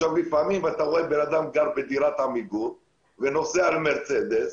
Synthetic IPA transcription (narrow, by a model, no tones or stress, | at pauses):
ʃavbifamimat̪aʁoebe̞nad̪amɡaʁbed̪iɾat̪hamiɡul | veno̞sealme̞ʁt͡sed̪es